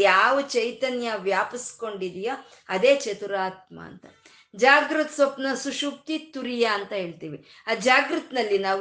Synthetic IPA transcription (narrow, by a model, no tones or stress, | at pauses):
jaːʋut͡ʃɐjt̪ɐnjɐʋjaːpisko̞ɳɖid̪ijo | ɐd̪eːt͡ʃet̪uɾaːt̪ma̰ːnt̪ɐ̰ | d͡ʒaːɡɾɨt̪sʋɐpnɐsuʃup̚t̪it̪uɾijaːnt̪ɐɦe̞ːɭt̪iːʋi | aːd͡ʒaːɡɾut̪nɐlːinaːʋ